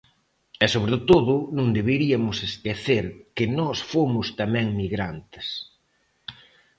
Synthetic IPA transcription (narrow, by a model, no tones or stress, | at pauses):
ɛsoβɾet̪oðʊnũŋd̪eβeɾiɐmʊsest̪eθeɾkɪnɔsfomʊst̪amɛ̃ŋmiɣɾant̪ɪ̥s